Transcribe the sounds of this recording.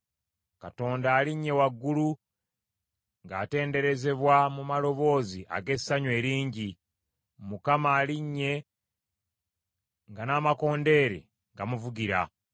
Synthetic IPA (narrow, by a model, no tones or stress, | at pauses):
kato̞ːndaːliɲːe̞waɡːulu | ŋɡaːte̞ːnde̞ɾe̞ze̞βwamumalo̞βo̞ːziʔa̰ɡe̞saɲwe̞ːɾiːɲɟi | mukamaːliɲːe̞ | ŋɡanaːmako̞ːnde̞ːɾḛ | ŋɡamuvuɡiɾa̰